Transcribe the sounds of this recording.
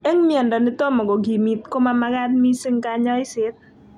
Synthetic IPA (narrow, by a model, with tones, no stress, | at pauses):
ɛ˦ŋmɪɛ˨ndɔ˨ni˦t̪o˦mɔ˨ɡo˨ɡi˨mi˨t̪ko˦ma˦ma˦ɡa˦t̪̚mi˦sɪ˦ŋka˦ɲɔ˦ɪ˦sɪ˨˦t̪̚